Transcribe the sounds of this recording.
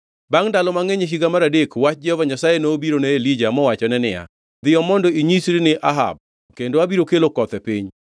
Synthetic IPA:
baŋdalɔmaŋeɲeɦiɡamaɾadekwat͡ʃ̚d͡ʒɛhɔvaɲasajenoːbiɾoneelid͡ʒamɔwat͡ʃɔnɛnɪ̰ja̰ | d̪ɪjɔmɔndɔiɲisɾinɪʔaɦa̰b̚ | kendoabiɾokelokɔt̪ɛpiɲ

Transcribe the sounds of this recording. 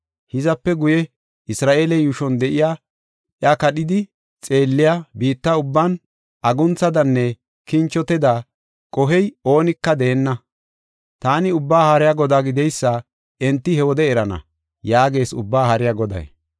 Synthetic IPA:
hɪzɐpːɛɡʊjɛ | ɪsɾaːʔe̞ːlɛjuʃɔnd̪ɛʔɪjaː | ʔjɐkɐɗɪd̪ɪ | t͡sʼe̞ːlːɪjabiːt̪ːɐʊbːan | ʔɐɡʊnt͡sɐd̪ɐnːɛ | kɪnt͡ʃːɔt̪ɛd̪a | kʼɔɦɛjo̞ːnɪkːɐd̪ɛːnːɐ | t̪aːnɪʊbːaːhɐɾɪjaɡɔd̪aːɡɪd̪ɛjsːa | ɛnt̪ːɪhɛwɔd̪ɛɛɾɐnɐ̰ | jaːɡe̞ːsʊbːaːhɐɾɪjaɡɔd̪ɐ̰j

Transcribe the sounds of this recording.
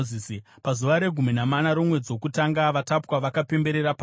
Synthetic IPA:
ziːsi | pazuʋaɾe̞ɡʱuminamanaɾo̞mwe̞d͡zwo̞kutaŋɡaʋatapwaʋakape̞mbe̞ɾe̞ɾapa

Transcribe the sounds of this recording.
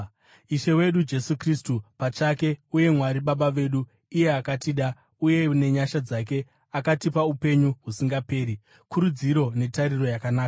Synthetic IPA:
iʃe̞we̞ɗud͡ʒe̞sukristupat͡ʃake̞uje̞mwaɾiɓaɓaʋe̞ɗu | ije̞akatiɗa | uje̞ne̞ɲaʃad͡zak̬e̞ | akatipaupe̞ɲuɦusiŋɡape̞ːɾi | kʰuɾud͡ziɾo̞ne̞taɾiro̞jakanaːka

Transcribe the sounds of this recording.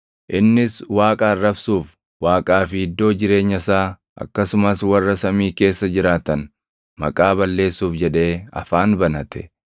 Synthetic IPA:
ʔɪnːɪswaːkʼaːrːɐbsuːf | waːkʼaːfɪhɪd̪ːo̞ːd͡ʒɪɾe̞ːɲːɐsaː | ʔɐ̰kːɐsʊmɐswɐrːɐsɐmiːke̞ːsːɐd͡ʒɪɾaːt̪ɐn | mɐ̰kʼaːbɐlːe̞ːsːuːfd͡ʒɛᶑe̞ːɐ̰faːnbɐnɐt̪ʰɛ̥

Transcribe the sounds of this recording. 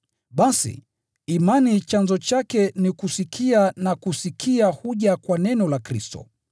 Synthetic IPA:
ɓasḭː | manit͡ʃanzɔt͡ʃakɛnikusikʰianakusikʰiahuʄakwanɛnɔlakɾḭstɔ̰

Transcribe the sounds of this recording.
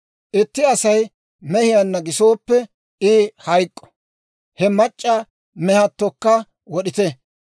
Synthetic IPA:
ʔɪt̪ːɪɐsɐj | mɛhɪjanːɐɡɪso̞ːpːɛ | ɪːhɐjkʼːɔ̥ | hɛmɐt͡ʃʼːɐ | mɛhɐt̪ːɔkːɐ | wɔɗɪt̪ɛ

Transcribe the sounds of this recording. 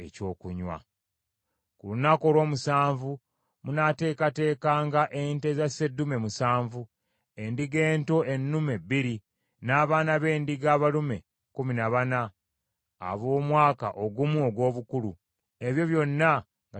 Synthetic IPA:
ḛco̞ːkuɲwa̰ | kulunako̞lo̞ːmusaːɱvu | munate̞ːkate̞ːkaːŋɡaʔente̞zase̞dːume̞musaːɱvu | endiɡe̞ːnto̞ʔe̞nːume̞bːiɾi | naːβaːnaβe̞ːndiɡaːβalume̞̰ | kuminaβana | a̰βo̞ːmwaːka̰ʔoɡumuoɡwo̞ːβukulu | e̞βjo̞βjo̞nːa | ŋɡa

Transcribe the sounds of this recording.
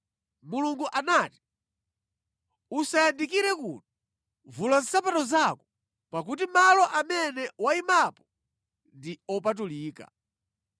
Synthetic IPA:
muluŋɡuʔanati̥ | usajandikiɾɛkṵti | vulan̩sapatɔzakɔ | pak̬ut̬imalɔʔamɛnɛwaimapɔ | ndiɔp̬at̬uliːka̰

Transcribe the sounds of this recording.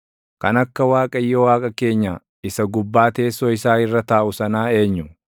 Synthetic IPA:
kɐnɐkːɐwaːkʼɐjːɔwaːkʼɐke̞ːɲːaː | ɪsɐɡʊbːaːt̪e̞ːsɔɪsaːhɪrːɐt̪aːʔʊsɐnaːe̞ːɲːʊ

